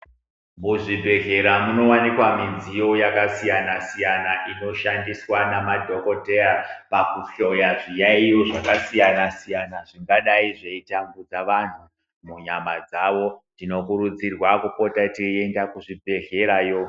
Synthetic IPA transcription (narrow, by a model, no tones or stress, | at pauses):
muʐibʱe̞ɮe̞ɾamuno̞wanikwaminzijo̞jakasijanasijanaʔino̞ʃandiswanamadʱo̞ko̞teapakuɬojaʐijaijo̞ʐakasijanasijanaʐiŋɡaɗaiʐeitamɡud͡zaʋan̤u | muɲamad͡zaʋo̞ndino̞kuɾud͡zirwakupo̞tatie̞ndakuʐibʱe̞ɮe̞ɾajo